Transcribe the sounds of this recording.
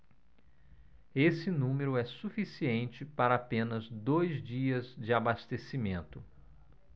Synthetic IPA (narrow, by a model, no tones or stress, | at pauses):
esɪnũmeɾʊɛsufisiẽnt͡ʃɪpaɾɐːpẽnɐzd̪ojzd͡ʒiɐzd͡ʒɪabast̪esimẽnt̪ʊ